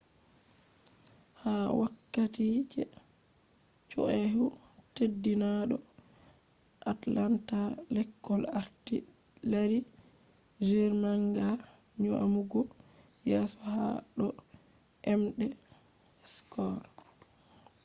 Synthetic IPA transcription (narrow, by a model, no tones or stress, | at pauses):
hawakːatit͡ʃɛ | t͡ʃɔ̰ʔɛɦutedːinaɗɔ | ʔatlantalɛkːɔlaɾtḭlaɾi | d͡ʒiɾmaŋɡa | ɲuʔa̰muɡɔ | jɛsɔha̰ɗɔ | ʔɛmɗɛ | skɔɾ